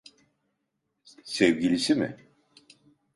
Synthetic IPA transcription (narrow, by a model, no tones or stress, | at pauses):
sevɟilʲisimɪ̰